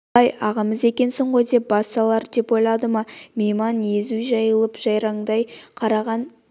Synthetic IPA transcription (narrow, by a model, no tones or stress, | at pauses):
ɑjɑʁɑməze̞kʲe̞nsoɴʁo̞jd̪e̞p̚bɑst̪ɑlˠɑɾd̪e̞pojlˠɑd̪əmɑmʲejmɑnjezuʒɑjəlˠəpʒ̥ɑjɾɑɴd̪ɑjqʰɑɾɑʁɑn